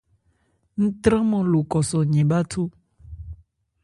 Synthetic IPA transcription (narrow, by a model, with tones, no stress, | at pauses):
ŋ̩̃˦t̪ɾɛ̃˦mɔ̃˨lo˨kɔ˨sɔ˨ɲɛ̃˨ba˦t̪ʰo˦